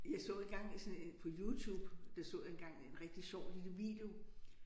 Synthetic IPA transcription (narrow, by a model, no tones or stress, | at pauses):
jɑ̈ɪsɔ̰ːe̝nɡ̥ɑ̈ŋ̰isɒ̽nepʰɒ̽juːt͡sʰuːb̥d̥ɑsɔ̰ːenɡ̥ɑ̈ŋ̰ienʁɛɡ̥̚d̥iɕɒʊ̰lid̥uʋḭːd̥e̝o̝